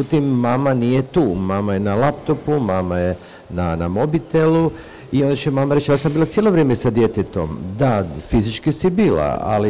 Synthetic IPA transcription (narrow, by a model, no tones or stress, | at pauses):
ut̪imːaːmanije̞t̪uːmaːmaje̞nalapt̪o̞pumaːmaje̞ | nanamo̞bit̪elu | io̞nd̪at͡ʃemaːmaɾet͡ʃj̪asambiːlat̪sjelo̞ʋɾeːmesad̪je̞t̪et̪o̞md̪afizit͡ʃkisibiːla̰a̰li